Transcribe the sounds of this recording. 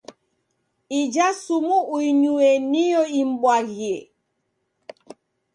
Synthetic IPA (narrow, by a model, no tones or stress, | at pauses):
id͡ʒasumuʔuiɲuenijɔim̩ɓwaɣie